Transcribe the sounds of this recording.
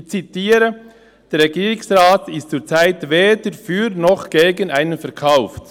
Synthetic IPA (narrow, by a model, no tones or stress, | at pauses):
t͡sitiːɾə | d̥ɛːɾʁɛɡiːʁɪsʁaːtɪstt͡suːt͡saɪtveːdəɾfyːɾnɔχɡ̥eːɡənaɪnənfɛɐʁkʰaʊft